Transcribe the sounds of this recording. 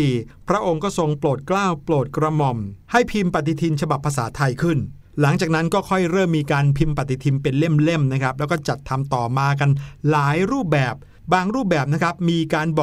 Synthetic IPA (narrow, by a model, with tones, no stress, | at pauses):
iː˨˩pʰɾa˦˥ʔo˧ŋkɔː˥˩so˧ŋploː˨˩t̪̚klaː˥˩wploː˨˩t̪̚kɾa˧mɔ˨˩mha˥˩jpʰi˧mpa˨˩t̪ːi˧t̪ʰi˧nt͡ɕʰa˧ba˨˩pʰːa˧saː˩˦t̪ʰa˧jkʰɯ˥˩n | la˩˦ŋt͡ɕaː˨˩k̚na˦˥nkɔː˥˩kʰɔ˥˩jɾɤː˥˩mːiː˧kaː˧npʰi˧mpa˨˩t̪ːi˧˩t̪ʰi˧mpe˧nle˥˩mle˥˩mna˦˥kʰɾa˦˥p̚lɛ˦˥wkɔː˥˩t͡ɕa˨˩t̪ʰːa˧mt̪ɔː˨˩maː˧k̬a˧nlaː˨˩˦jɾuː˥˩p̚bɛː˨˩p̚ | baː˧ŋɾuː˥˩p̚bɛː˨˩p̚na˦˥kʰɾa˦˥p̚miː˧kaː˧nbɔː˨˩